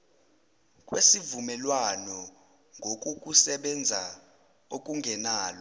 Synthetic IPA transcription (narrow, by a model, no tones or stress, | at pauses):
k̬ʼwesivumɛlwanɔ | ŋɡʱok̬ʼuk̬ʼusɛɓɛnd͡zʱa | ok̬ʼuŋɡʱɛnaːlɔ